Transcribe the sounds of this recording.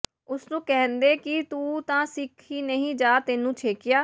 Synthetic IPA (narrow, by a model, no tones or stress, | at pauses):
ʊsnũːkɛːnd̪eːkɪt̪uːt̪ãːsɪkʰiːnəɦĩːd͡ʒaːt̪eːnũːt͡ʃʰeːkɪjaː